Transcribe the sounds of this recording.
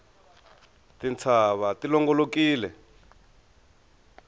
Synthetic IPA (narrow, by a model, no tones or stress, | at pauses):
tint͡sʰaβatilɔŋɡɔlokiːlɛ